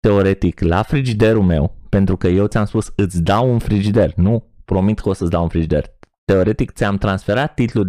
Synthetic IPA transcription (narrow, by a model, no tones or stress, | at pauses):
t̪e̞o̞ɾe̞t̪ikla̰fɾid͡ʒid̪e̞ɾulme̞̰wpe̞nt̪ɾukəje̞wt̪ʲamspusɨt̪sʲd̪awunfɾid͡ʒid̪e̞rnupɾo̞mit̪kosət̪sʲd̪awunfɾid͡ʒid̪e̞̰rt̪e̞o̞ɾe̞t̪ik̚t̪sʲamt̪ɾansfe̞ɾat̪ːit̪lu